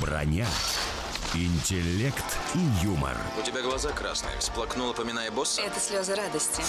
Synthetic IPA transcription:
brɐ̰nʲa | ɪnʲtʲɪlʲːekt̪ijumə̰r | ʊtʲɪbʲaɡlˠɐzakɾasnɨ̰jə̰sʲplˠɐknulˠəpəmʲɪnajəbosːəɛt̪əsʲlʲozəɾad̪əsʲtʲɪ

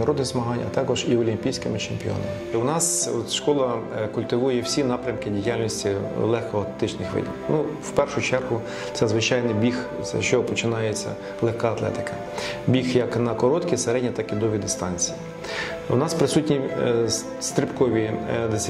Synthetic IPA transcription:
ɐɾɔd̪nɪzmɐɦɑnʲɐ̰t̪ɑkɔʒiɔlʲimʲpʲijsʲkɪmɪt͡ʃemʲpʲiɔ̰nɐ̰mɪʊnɑsɔt̪ʃkɔlˠɐkʊlʲt̪ɪʋujʊjɛwsʲinɑpɾʲɐmkɪdʲijalʲnʲisʲtʲilˠɛxkɔɐt̪t̪ɪt͡ʃnɪxʋɪ̰d̪ʲinuwpɛrʃʊt͡ʃɛrɦʊ | t̪sɛzʋɪt͡ʃɑjnɪjbʲix | sɛ̰ʃt͡ʃɔɔpɔt͡ʃɪnɑjet͡sʲːɐ̰ | lˠexkɑɐt̪lˠɛ̰t̪ɪ̥kɐ | bʲixjɐknɐkɔɾɔt̪kʲiseɾɛdʲnʲit̪ɑkid̪ɔʋʲid̪ɪst̪ɑnʲt͡sʲiji | ʊ̰nɑspɾɪsutʲnʲi | st̪ɾɪpkɔʋʲid̪esʲ

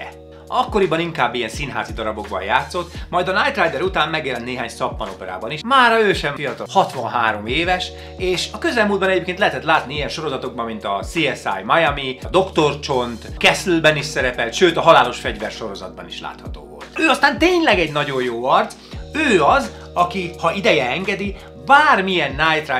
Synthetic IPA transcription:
ɛ | ɒkːoɾibɒniŋkaːbːijɛnsinɦa̰ːzid̪ɒɾɒbo̞ɡbɒ̰jaːt̪so̞t̪mɒjd̪ɒnajt̪rajd̪ɛɾut̪aːmːɛɡjɛlɛnt̪neːɦaːɲsɒpmɒno̞pɛɾa̰ːbɒniʃmaːɾɒøːʃɛmfijɒt̪ɒhɒt̪ʋɒnɦaːɾo̞meːvɛʃ | eːʃɒkøzɛlmuːld̪bɒnɛɟeːpkeːnlɛɦɛt̪ɛt̪laːt̪niijɛnʃo̞ɾo̞zɒt̪o̞ɡ̚bɒmːint̪ɒsiɛsa̰jmɒjɛmid̪o̞kt̪o̞rt͡ʃo̞nt̪kɛslbɛniʃsɛɾɛpɛlt̪ʃøːt̪ɒɦɒlaːlo̞ʃfɛɟvɛrʃo̞ɾo̞zɒ̰d̪̚bɒ̰niʃla̰ːt̪hɒt̪o̰ːvo̰lt̪øːɒst̪aːnt̪eːɲlɛɡɛɟnɒɟo̞jjoːɒrt̪s | øːɒz | ɒkihɒid̪ɛjɛɛŋɡɛd̪i | baːrmijɛnːajt̪ra

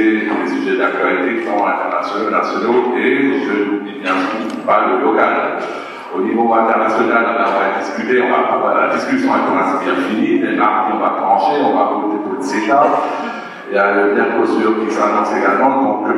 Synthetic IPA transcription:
elesyʒɛd̪ak̚t̪ɥalit̪ekisɔ̃ɛ̃t̪ɛʁnasjɔnasjɔnoeeʒønnibjɛ̃sɔ̃ | paləlɔkal̃k | onivoɛ̃t̪ɛʁnasjɔnallaɔ̃vaɛt̪̚d̪iskʲyt̪eɔ̃va̰pafɛʁdla̰d̪iskʲysjɔ̃avɛkɔ̃nasibjɛ̃finimɛʔaʁt̪iɔ̃vat̪lɑ̃ʃeɔ̃vapoot̪ed̪ot̪zet̪ap | jaləbɛ̃ʁkost̪yʁkʲisanɔ̃seɡalmɑ̃d̪ɔ̃k

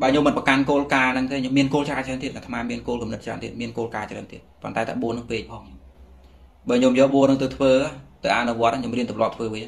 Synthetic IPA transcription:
ɓaəɲomːɨnpəkankoːlkaːnɨŋk̪eːɲomːiənkoːlt͡ɕraːt͡ɕraːnt̪iət̪̚nat̪ʰmaːmiənkoːlkumnɨt̪̚t͡ɕra̰ːnt̪ḭət̪̚miənkoːlkaːt͡ɕra̰ːnt̪iət̪̚pont̪aɛt̪ʰa̰ːɓuənɨŋpeːc̚pʰɑːŋ | ɓaːɲomjɔːlɓuənɨŋt̪ɨwt̪ʰʋəːat̪ɨwʔanuʋŏət̪ʔaɲomriənt̪umlŏəp̚t̪ʰʋəːʋiə

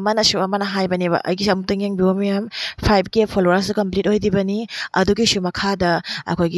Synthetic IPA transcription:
mɐnɐsuɐmɐnɐɦajbɐnibɐ̰ʔɐ̰jɡisɐmutuŋeŋbiwamɐjampʰajb̚kepʰoloaɾs̬ukɐmplit̚hojdibɐniɐ̰duɡisumɐkʰadɐɐ̰kʰojɡi

